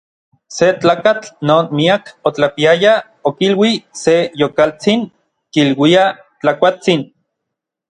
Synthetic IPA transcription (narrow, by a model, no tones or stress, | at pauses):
set͡ɬaːkat͡ɬnoːnmiakot͡ɬapiaja | okilwisejokalt͡siŋ | kilwia | t͡ɬakʷat͡sin